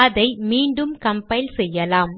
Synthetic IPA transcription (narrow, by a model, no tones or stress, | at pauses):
ðɐɪmiːɳɖɯmkɐmpɐɪlsɛjːɐlaːm